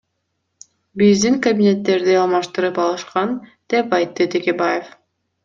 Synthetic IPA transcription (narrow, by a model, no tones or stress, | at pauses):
bizd̪iŋkɐbʲinʲe̞t̪ːe̞ɾd̪iɑlˠmɑʃt̪ɯɾɯpɑlˠɯʃqɑnd̪̥e̞pɑjt̪ːɯt̪ʰe̞kʲe̞baje̞f